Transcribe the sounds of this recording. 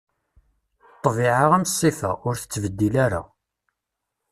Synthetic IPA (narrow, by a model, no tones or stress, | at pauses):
t̪ˤːvɪʕaʁænt̪sˤːifæ̰ʊɾθə̥t͡sːvəd̪ːilæɾa̰